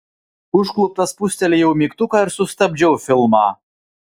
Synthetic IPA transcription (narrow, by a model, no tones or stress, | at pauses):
ʊʃklˠʊp̚t̪ɐspʊsʲt̪ʲɛlʲɪjɛʊmʲiːkt̪ʊkɑɪɾsʊst̪ɐbʲd͡ʒʲɛʊfʲɪlˠmɑː